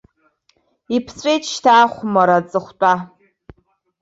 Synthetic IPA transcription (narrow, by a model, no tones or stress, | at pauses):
ipʰsʷʼejtʰʃtʰaːχʷʊmaɾat͡sʼɨχʷtʷʼa